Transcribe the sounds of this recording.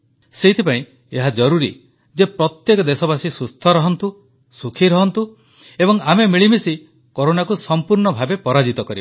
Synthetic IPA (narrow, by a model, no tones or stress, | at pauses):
seɦit̪ʰipaĩ | eɦad͡ʒɔɾuɾḭ | d͡ʒepɾɔt̪jekɔd̪esɔbasisust̪ʰɔɾɔɦɔnt̪u | sukʰiɾɔɦɔnt̪u | ebɔŋamemiɭimisi | koɾonakusɔmpuɾɳɔbʱabepɔɾad͡ʒit̪ɔkɔɾibɔ